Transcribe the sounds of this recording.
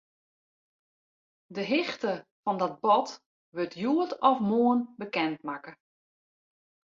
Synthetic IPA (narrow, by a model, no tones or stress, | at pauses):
dəɦɪxtəfɔndɔt̚bɔt | ʋøtʰjuətɔfmoːənbəkɛntmakə